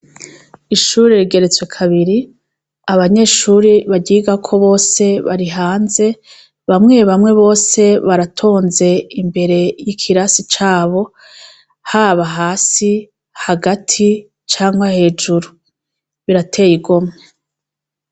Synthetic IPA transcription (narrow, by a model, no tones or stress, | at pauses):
iʃuːɾeɾiɡe̞ɾet͡swe̞kʰaβiɾi | aβaɲe̞ʃuɾiβaɟiːɡakʰo̞βo̞ːse̞βaɾiɦaːnze̞ | βamŋe̞βamŋe̞βo̞ːse̞βaɾatʰoːnze̞imbe̞ɾe̞jikʰiɾasit͡ʃaːβo̞ | haːβaɦaːsi | haɡatʰi | t͡ʃaːŋɡwahe̞ːd͡ʒuɾu | βiɾatʰe̞ːjiɡomŋe